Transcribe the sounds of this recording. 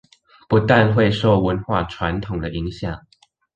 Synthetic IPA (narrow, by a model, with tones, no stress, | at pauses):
pu˨˥t̪a˥˧nxwe˥˧ɪʂo˥˨ʊwə˧˥nxwa̰˥˩ʈ͡ʂʰwa˧˥nt̪ʰʊ˨˩ŋd̪ə˦ʔi˧˥ŋɕjɑ˨˩˦ŋ